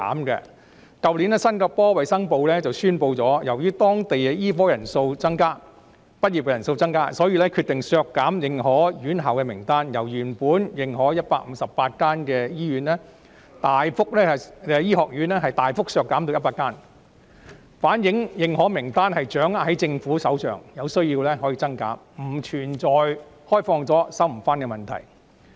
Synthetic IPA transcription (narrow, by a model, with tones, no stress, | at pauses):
a̰ː˨˥mkɛ̰˧ | kɐ˧wliː˨˥nɛː˥sɐ˥nkɔ˧pɔː˥wɐ˨jsɐ˥ŋpo˧wlɛː˥t͡sɐ˨wsyː˥npo˧wt͡sɔː˨˥jɐ˨˩wjyː˥t̪ɔː˥ŋt̪e˨jɛ˧jiː˥fɔː˥jɐ˨˩nso˧wt͡sɐ˥ŋkaː˥ | pɐ˥t̚ji˨pkɛ˧jɐ˨˩nso˧wt͡sɐ˥ŋkaː˥sɔː˨˥jiː˧lɛː˥kʰy˧t̚t̪ɪ˨ŋsœː˧kːaː˨˥mjɪ˨˧ŋɦɔː˨˥jyː˨˥nɦɐ˨wkɛ˧mɪ˨˩ŋt̪aː˥njɐ˨˩wjyː˨˩npuː˨˥njɪ˨˧ŋɦɔː˨˥jɐ˥t̚paː˧k̚m̩˨˧sɐ˨ppːaː˧t̚kaː˥nkɛː˧jiː˥ɥyː˨˥nlɛː˥ | t̪aː˨jfʊ˥k̚lɛː˥˨ɛː˧jiː˥hɔː˨k̚jyː˨˥nɛː˥ɦɐ˨jt̪aː˨jfʊ˥k̚sœː˧kːaː˨˥mt̪o˧wjɐ˥tpaː˧kːaː˥n | faː˨˥njɪ˨˥ŋjɪ˨˧ŋhɔː˨˥mɪ˨˩ŋt̪aː˥nhɐ˨jt͡ʃœː˨˥ŋa˧hɐ˨˥jt͡sɪ˧ŋfuː˨˥sɐ˨˥wt͡ʃœ̰ː˨˩ŋjɐ˨˧wsɵ˥ɥjiː˧wlɛː˥hɔ˨˥jiː˧t͡sɐ˥ŋka̰ː˨˥ | m̩˨˩t͡ʃʰyː˨˩nt͡ʃɔː˨jhɔː˥jfɔː˧ŋt͡sɔː˨˥sɐ˥wm̩˨˩faː˥nkɛ˧mɐ˨˩nt̪ʰɐ̰˨˩j